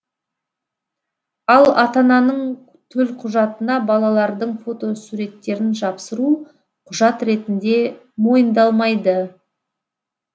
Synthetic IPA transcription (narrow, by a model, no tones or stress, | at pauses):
ɑlˠɑt̪ɑnɑnəɴ | t̪ʰɵlqʰʊʒɑt̪ənɑbɑlˠɑlˠɑɾd̪əɴfo̞t̪o̞suɾe̞t̪ːe̞ɾɪnʒɑpsəɾu | qʰʊʒɑt̪ɾe̞t̪ɪnd̪e̞ | mo̞jənd̪ɑlˠmɑjd̪ə